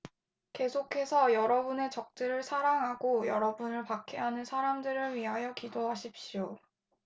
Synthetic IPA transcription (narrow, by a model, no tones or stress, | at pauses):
ke̞sʰokʰe̞sʰʌjʌɾʌbune̞t͡ɕʌk̚t͡ɕ͈ɯɾɯɭsʰaɾaŋɦaɡojʌɾʌbunɯɭpakʰeɦanɯnsʰaɾamdɯɾɯɭɥiɦajʌkidoɦaɕʰip̚ɕ͈io